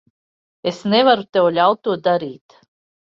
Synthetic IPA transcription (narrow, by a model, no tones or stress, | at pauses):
esnevaɾut̪ɛwlʲawt̪uɔd̪aɾiːt̪